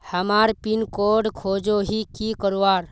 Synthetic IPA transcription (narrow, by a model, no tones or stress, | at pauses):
həmaːɾpinkoːɖkʰoːd͡ʒoɦikikəɾuaːɾ